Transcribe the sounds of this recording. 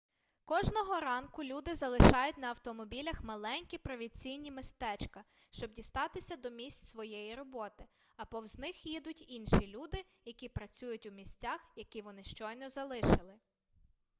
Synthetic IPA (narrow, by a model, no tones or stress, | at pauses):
kɔʒnɔɦɔɾɑnkʊlʲud̪ɪzɐlˠɪʃɑjʊtʲnɐːwt̪ɔmɔbʲilʲɐxmɐlˠɛnʲkʲipɾɔʋʲinʲt͡sʲijnʲimɪst̪ɛt͡ʃkɐ | ʃt͡ʃɔb̚dʲist̪ɑt̪ɪsʲɐd̪ɔmʲisʲt͡sʲsʋɔjɛjiɾɔbɔt̪ɪ | ɐpɔwznɪxjid̪ʊtʲinʃilʲud̪ɪ | jɐkʲipɾɐt͡sʲujʊtʲʊmʲisʲt͡sʲaxjɐkʲiʋɔnɪʃt͡ʃɔjnɔzɐlˠɪʃɪlˠɪ